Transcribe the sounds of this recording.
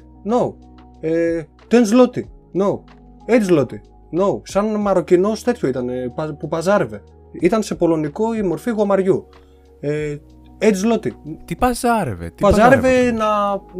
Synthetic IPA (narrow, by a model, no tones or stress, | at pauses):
no | e | t̪enzlot̪i | nou | et̪zlot̪i | nousɐnmɐɾo̞cino̞st̪e̞t̪çoit̪ɐnepɐpupɐzɐɾeve̞ | it̪ɐnse̞po̞lo̞nikoimo̞ɾfiɣo̞mɐɾʝu | e | et̪zlot̪it̪ipɐzaɾḛvḛt̪ipɐzɐɾevenɐ